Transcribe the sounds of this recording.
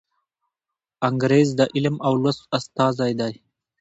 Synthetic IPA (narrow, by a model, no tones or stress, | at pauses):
aŋɡɾeːzd̪əʔɪlmawlwasast̪ɑːzajd̪aj